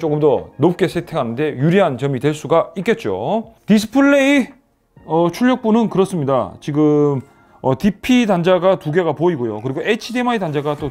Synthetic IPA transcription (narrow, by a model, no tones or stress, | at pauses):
t͡ɕ͈okɯmdʌnop̚k͈e̞sʰetʰe̞kʰanɯnde̞juɾiɦant͡ɕʌmitwe̞ɭs͈uɡaik͈et̚t͡ɕ͈o̰tis̬ʰɯ̥pʰɯɭːei | ʌt͡ɕʰuɭːʌk̚p͈unɯnkɯɾʌs͈ɯmɲida̰t͡ɕiɡɯm | ʌtipʰidand͡ʑaɡatuɡe̞ɡapoiɡojokɯɾiɡoʔet͡ɕʰidemaitand͡ʑaɡat͈o